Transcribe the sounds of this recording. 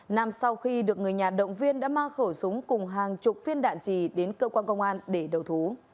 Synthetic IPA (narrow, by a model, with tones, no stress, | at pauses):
na˧msa˧wxi˧ɗɨ˨˩ək̚ŋɨ˨˩əjɲaː˨˩ɗə̰˧˨wŋ͡mvi˧ənɗa̰ː˧˥maː˧xəː˧˩sʊ˨˦ŋ͡mkʊ˨˩ŋ͡mɦaː˨˩ŋt͡ɕʊ˨˩k͡p̚fi˧ənɗa̰ː˧˨nt͡ɕi˧˩ɗe˨˦nkəː˧kwaː˧nkə˧wŋ͡mʔaː˧nɗe˧˩ɗə˨˩wt̪ʰu˨˦